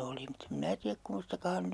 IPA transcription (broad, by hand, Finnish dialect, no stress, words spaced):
oli mutː em minæ tiæk kumːostɑkɑ hɑn ny